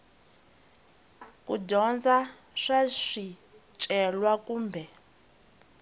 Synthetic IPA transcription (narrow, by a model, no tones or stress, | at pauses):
kudɔnd͡za | ʂaʂi | t͡ʃʼɛlwakuːmbʱɛ